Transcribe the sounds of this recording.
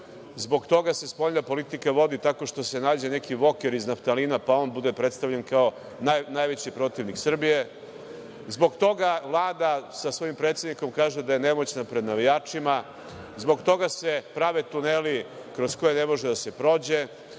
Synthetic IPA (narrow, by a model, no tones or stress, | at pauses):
zbo̞ɡt̪o̞ɡase̞spo̞ʎnapo̞lit̪ikaʋo̞d̪it̪ako̞ʂt̪o̞se̞naːd͡ʑe̞ne̞kiʋo̞keɾiznaft̪aliːnapao̞nbud̪epɾe̞t̪st̪aʋʎenkao̞ | najnajʋet͡ɕipɾo̞t̪iʋniksr̩bije | zbo̞ɡt̪o̞ɡaʋlˠaːd̪asasʋo̞impɾet̪se̞d̪niko̞mkaːʒed̪ajene̞mo̞t͡ɕnapɾe̞d̪naʋijaːt͡ʂima | zbo̞ɡt̪o̞ɡasepɾaʋet̪unelikɾo̞sko̞jene̞mo̞ʒed̪ase̞pɾo̞ːd͡ʑe̞